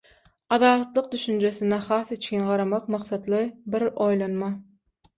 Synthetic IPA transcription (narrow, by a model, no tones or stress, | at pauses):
ɑðɑːt̪lˠɯq̚d̪yʃynd͡ʒøsinɛxɑːθit͡ʃʰinɢɑɾɑmɑqmɑqθɑt̪lˠɯbiɾojlˠɑnmɑ